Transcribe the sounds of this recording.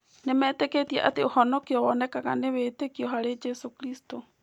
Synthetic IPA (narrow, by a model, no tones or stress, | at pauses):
nemɛːteketiɛʔateohɔnɔkeɔβɔnɛkaɣaneβeːtekiɔɦaɾed͡ʒɛsokɾisto